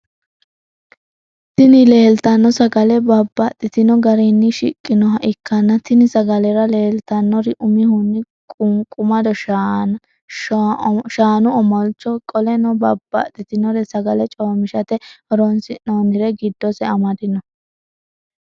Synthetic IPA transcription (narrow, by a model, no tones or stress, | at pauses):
t̪ɪnɪleːlt̪ɐnːɔsɐɡɐlɛbɐbːɐt̪ʼːɪt̪ɪnɔɡɐɾinːɪʃɪkʼːɪnɔɦɐʔɪkːɐnːɐt̪ɪnɪsɐɡɐlɛɾɐle̞ːlt̪ɐnːɔɾɪʔʊmɪhʊnːɪ | kʼʊŋkʼʊmɐd̪ɔʃ | ʃaːnʊɔmɔlt͡ʃːɔkʼɔlɛnɔbɐbːɐ̰t̪ʼːɪt̪ɪnɔɾɛsɐɡɐlɛt͡ʃʼoːmɪʃɐt̪ɛɔɾɔnsɪnoːnɪɾɛɡɪd̪ːɔsɛɐmɐd̪ɪnɔ